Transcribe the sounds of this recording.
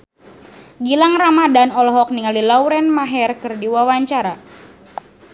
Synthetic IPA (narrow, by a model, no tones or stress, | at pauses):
ɡilaŋramadanɔlɔɦɔk̚niŋalilawɾɛnmaɦɛrkɨrdiwawaɲt͡ʃaɾa